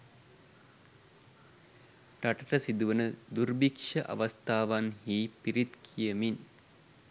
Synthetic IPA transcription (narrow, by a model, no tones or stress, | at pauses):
ʈɐʈɐʈəsid̪uʋənəd̪urbikʂəʔɐ̰ʋɐst̪aːʋanɦiːpiɾit̪kʰijəmin